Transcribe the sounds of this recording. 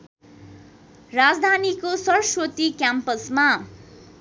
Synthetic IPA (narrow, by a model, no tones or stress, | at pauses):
rad͡zd̪ʱanikosʌrswot̪ikjampʌsma